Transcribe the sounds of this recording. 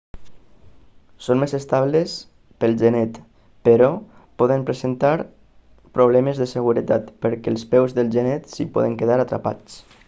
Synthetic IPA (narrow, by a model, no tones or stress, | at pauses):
sonmezest̪aβles | pəlˠʒenɛt̪ | pəɾɔpɔðəmpɾezent̪aɾ | pɾoβ̞lɛmezðəsəɣuɾət̪at̪pəɾkɛːlˠspɛwzðəlˠʒenɛt̪sipɔ̰ðəŋkeðaɾat̪ɾa̰pa̰t͡s